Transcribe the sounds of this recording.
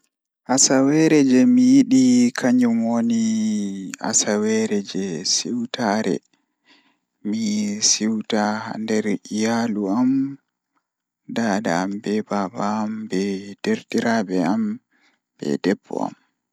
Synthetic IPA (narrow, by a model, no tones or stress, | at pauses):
ʔasawɛɾɛd͡ʒɛmijiɗikʰaɲumoni | a̰sawɛɾɛd͡ʒɛsiwtaɾɛ̰ | misiwtaha̰ndɛɾʔijaluam | daːdaːmbɛbabaːmbɛd̥eɾtiɾabɛam | bɛ̰dɛbːɔ̰a̰m